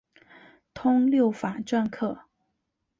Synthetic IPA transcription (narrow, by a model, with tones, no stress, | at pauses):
t̪ʰʊ˥ŋljo˥˩ʊfa˨˩ʈ͡ʂwa˥˧nkʰɤ˥˩